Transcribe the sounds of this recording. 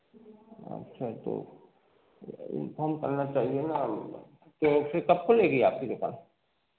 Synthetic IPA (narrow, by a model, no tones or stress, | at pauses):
ɐ̰ʃʰat̪o̰ | ɪ̰nfɔːɾmkɐɾnat͡ʃaːɦiena | t̪osekɐp̚kolːeːɡieaːp̚kid̪oka̰ːn